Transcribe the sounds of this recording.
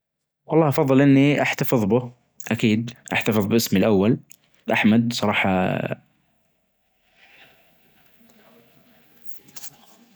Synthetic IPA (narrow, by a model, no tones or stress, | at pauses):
wɑlˤːɑːhʔɑfɑðˤːɨlʔɪnːiʔaħt̪afɨðˤbɪ | ʔakiːd̪ʔaħt̪afɨðˤbʔɪsmilʔawːal | ʔaħmad̪sˤɑɾˤɑːħɑ̰